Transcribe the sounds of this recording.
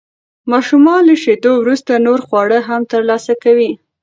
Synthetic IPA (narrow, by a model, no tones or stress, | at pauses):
mɑʃumɑləʃed̪owɾust̪anoɾxwɑɽəɦamt̪əɾlɑsakawi